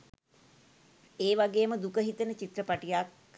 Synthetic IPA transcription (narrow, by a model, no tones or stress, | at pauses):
eːʋaɡeːməd̪ukəɦit̪ənət͡ʃit̪rəpaʈijak̚